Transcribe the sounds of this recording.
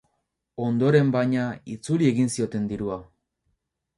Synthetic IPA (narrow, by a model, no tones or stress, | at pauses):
o̞nd̪o̞ɾe̞mbajɲait͡sulie̞ɣinsio̞t̪e̞nd̪iɾua